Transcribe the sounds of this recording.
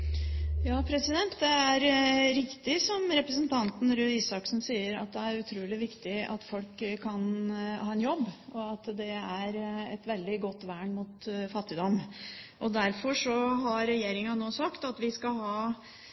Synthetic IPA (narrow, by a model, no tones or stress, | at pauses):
jɑːpʰɾɛsɪd̪ɛnt̪d̪ɛæɾɾɪkt̪ɪsɔmɾɛpɾəsənt̪ʰɑnt̪n̩ɾʉːiːsɑksn̩siːəɾɑ̰t̪̚d̪ɛæɾʉt̪ʰɾuːlɪʋɪkt̪ɪʔɑ̰t̪fɔlkkʰːɑnhɑːɛnjɔbːɔɑt̪d̪ɛæɾɛt̪ʋɛld̪ɪɡɔt̪ːʋæːɳmut̪fɑt̪ːɪd̪ɔmʔɔd̪æɾfɔʂɔɦɑɾɛjeːɾɪŋɑnoːsɑkt̪ɑt̪ʋɪskɑɦɑː